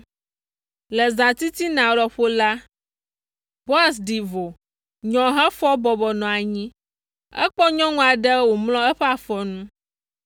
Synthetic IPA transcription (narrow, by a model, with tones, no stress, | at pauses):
lɛ˨zã˨t̪i˦t̪i˦nã˨lɔ˨ɸo˦la˦ | b̥o˦a˦˨s̬ɖi˨vo˨ | ɲɔ̃˨ɦɛ˦fɔ˦bɔ˨bɔ˨nɔ̃˨a˨ɲĩ˦ | ɛ̰˦k͡pɔ˦ɲɔ̃˦ŋũ˦a˨ɖə˦wo˨mlɔ̃˦ɛ˦ɸɛ˦a˨fɔ˦nũ˦